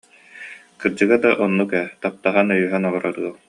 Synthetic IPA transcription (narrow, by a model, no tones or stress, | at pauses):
kɯɾd͡ʑɯɡad̪aʔɔnːukɛt̪ap̚t̪aʁanœjyːɦɛnɔɔɾaɾɯɐlˠ